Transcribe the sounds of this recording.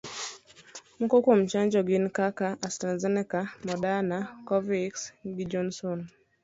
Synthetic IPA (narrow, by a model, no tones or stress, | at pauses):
mɔkɔkom̩t͡ʃaɲd͡ʒɔɡɪnkakaʔastɾazɛnɛkamɔdanakɔviksɡɪd͡ʒɔnsɔn